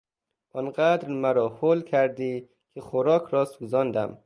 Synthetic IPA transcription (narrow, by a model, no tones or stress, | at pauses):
ʔɒnɢæd̪ɾmæɾɒːhoːlkʰæɾd̪iː | kʲʰexoɾɒːkʰɾɒːsuzɒːnd̪æm